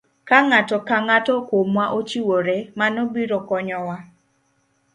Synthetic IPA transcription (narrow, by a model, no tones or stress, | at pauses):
kaŋatɔkaŋatɔkomwaʔot͡ʃiwoɾemanobiɾɔkɔɲɔwa